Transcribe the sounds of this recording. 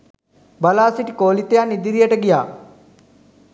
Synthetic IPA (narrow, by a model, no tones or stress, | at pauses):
bɐlaːsiʈkoːlit̪jaːnid̪iɾijəʈəɡijaː